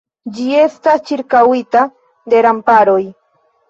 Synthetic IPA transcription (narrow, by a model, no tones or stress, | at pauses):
d͡ʒie̞st̪ast͡ʃiɾkawit̪a | d̪e̞ɾampaɾoj